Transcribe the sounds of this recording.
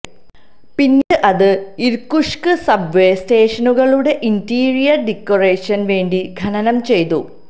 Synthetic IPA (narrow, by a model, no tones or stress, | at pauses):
pinːɨʔɐðɨiɾkuʂkɨsɐbʋeːsteːʂɐnuɣɐɭuɽe̞ʔintiːrijɐrɖikːoreːʂɐnʋe̞ːɳɖiɡʱɐnɐnɐmt͡ɕe̞jt̪ṵ